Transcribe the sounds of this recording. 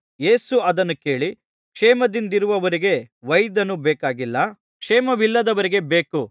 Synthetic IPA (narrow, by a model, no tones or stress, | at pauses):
je̞ːsuɐd̪ɐnːuke̞ːɭi | kʂeːmɐd̪ind̪iɾuʋɐʋɐɾiɡe̞ | ʋɐjd̪ɐnubɛːkaːɡilːɐ | kʂeːmɐʋilːɐd̪ɐʋɐɾiɡe̞be̞ːku